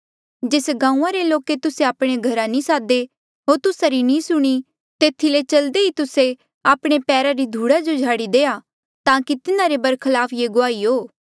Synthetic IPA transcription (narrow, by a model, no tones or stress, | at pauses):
d͡ʒeːsɡãːũãɾeloːket̪ʊseaːpɽ̃eɡʱɐɾanĩsaːd̪e | ɦoːɾt̪ʊsaɾinĩsʊɽ̃i | t̪eːt̪ʰilet͡ʃɐld̪eɦit̪ʊse | aːpɽ̃epɛːɾaɾid̪ʱuːɽad͡ʒod͡ʒʱaːɽid̪eːa | t̪ãːkit̪ɪnãɾebɐɾkʰəlaːpʰjeɡʊaːiɦoː